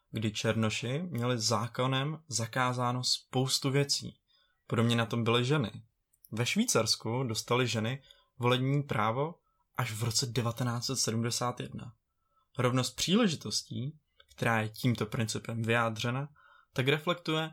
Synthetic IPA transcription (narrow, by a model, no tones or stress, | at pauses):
ɡdɪt͡ʃɛɾno̞ʃɪmɲɛlɪzaːko̞nɛmzakaːzaːno̞spo̞wst̪uvjɛt͡sḭː | podobɲɛnat̪o̞mbɪlɪʒɛnɪ̰ | vɛʃviːt͡saɾskudo̞st̪alɪʒɛnɪ | vo̞lɛbɲiːpɾʔaːvo̞ | ʔaʃvɾo̞t͡sɛdɛvat̪ɛnaːt͡sɛt̪sɛdumdɛsaːt̪jɛdna̰ | ɾo̞vno̞st̪̚pr̝̥iːlɛʒɪt̪o̞sciː | kt̪ɛɾaːjɛciːmt̪o̞pɾɪnt͡sɪpɛmvɪjaːd̪r̝ɛna | t̪akɾɛflɛkt̪ujɛ